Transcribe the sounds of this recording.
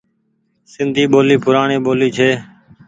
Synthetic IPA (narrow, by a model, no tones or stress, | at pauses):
sɪnd̪ʱiːɓoːliːpʊɾaːɳeːɓoːliːt͡ʃʰeː